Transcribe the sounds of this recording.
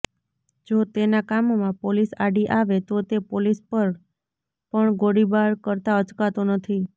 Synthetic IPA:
d͡ʒot̪enakamomãpolisaɖiʔaʋet̪ot̪epolispəɾ | pəɳɡoɽibaɾkəɾt̪aət͡ʃkat̪onət̪ʰi

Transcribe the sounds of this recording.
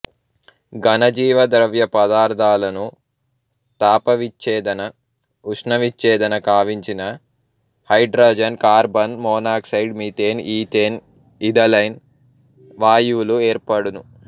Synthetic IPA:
ɡɐnɐd͡ʒiːʋɐd̪ɐɾɐʋjɐpɐd̪aːɾd̪ʱaːlɐnu | t̪aːpɐʋit͡ʃːɛːd̪ɐnɐ | uʂnɐʋit͡ʃːɛːd̪ɐnɐkaːʋiɲt͡ʃinɐ | hɐjɖɾoːd͡ʒɐnkaːɾbɐnmɔːnaːksɐjɖmiːt̪eːniːt̪eːn | id̪ɐlɐjn | ʋaːjuːlueːɾpɐɽunu

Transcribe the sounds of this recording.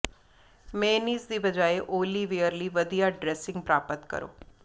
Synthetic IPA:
mẽːniːzd̪iːbəd͡ʒaːeʔoːliːʋejəɾliːʋəd̪ijaɖɾɛːsɪ̃ŋɡ̚pɾaːpət̪kə̰ɾo̰ː

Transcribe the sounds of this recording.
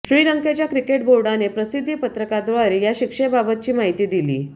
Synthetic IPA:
ɕɾiːɾəŋket͡ɕjakɾikeʈ̚boɾɖanepɾəsid̪ʱːipət̪ɾəkad̪ɾoaɾejaɕikʂebabət̪̚t͡ɕiːmaɦit̪iːd̪ilḭː

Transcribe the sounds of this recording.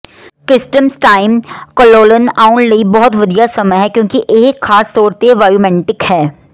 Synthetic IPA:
kɾɪsʈəmsʈaːɪmkɔloːlənaːʊɳɖlɐibɔɦʊt̪ʋɐd̪ijasɐməjɦɛkjõːkiʔeːkxaːst̪ɔːɾt̪eʋaːjuːmɛ̃ɳʈɪkhɛː

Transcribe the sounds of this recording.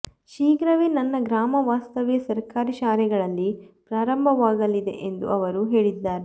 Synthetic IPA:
ʃiːɡɾɐʋenɐnːɐɡɾaːmɐʋaːst̪ɐʋjɐsɐɾkaːɾiʃaːɾɛɡɐɭɐlːipɾaːɾɐmbʱɐʋaːɡɐlːid̪e̞̰ʔend̪uɐʋɐɾuɦe̞ːɭid̪ːaːɾe

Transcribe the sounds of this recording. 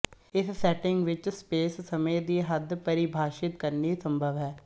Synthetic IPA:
ɪssɛːʈɪŋɡʋɪt͡ʃspeːsːəmeːd̪iːɦəd̪pəɾibʱaːʃɪt̪kəɾniːsəmbʱəʋɦɛː

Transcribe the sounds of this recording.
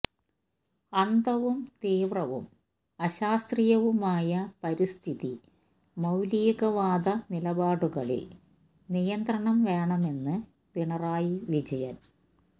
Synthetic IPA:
ɐnd̪ʱɐʋumt̪iːʋrɐʋṵm | ɐɕaːst̪rijɐʋumaːjɐpɐɾist̪ʰiði | mɐwliːɣɐʋaːd̪ɐnilɐbaːɽuɣɐɭḭl | nijɐnd̪ɾɐɳɐmʋe̞ːɳɐme̞nːɨ | piɳɐraːjiʋid͡ʑɐjɐn

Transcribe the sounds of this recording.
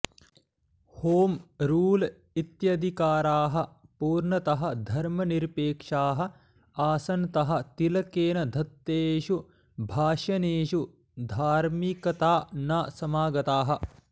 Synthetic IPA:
hoːmɾuːl | it̪jɐd̪ʱikaːɾaːɦɐ̆puːɾɳɐt̪ɐɦɐ̆d̪ʱɐɾmɐniɾpeːkʂaːɦɐ̆ | aːsɐnt̪ɐɦɐ̆t̪ilɐkeːnɐd̪ʱɐt̪ːeːʃu | bʱaːʃɐneːʃu | d̪ʱaːɾmikɐt̪aːnaːsɐmaːɡɐt̪aːɦɐ̆

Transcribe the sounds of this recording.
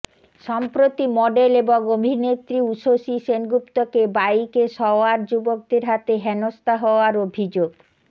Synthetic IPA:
ʃɔmpɾot̪imɔɖeleboŋobʱinet̪ɾiuʃoʃiʃenɡupt̪okebajkeʃɔoaɾd͡ʑubok̚d̪eɾɦat̪eɦɛnost̪aɦɔoaɾobʱid͡ʑoɡ

